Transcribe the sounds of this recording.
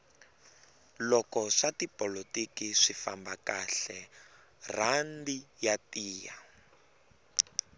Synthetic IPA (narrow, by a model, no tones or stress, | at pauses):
lɔkɔʂatipɔlotikiʂifambakaɬɛ | randijatiːja̰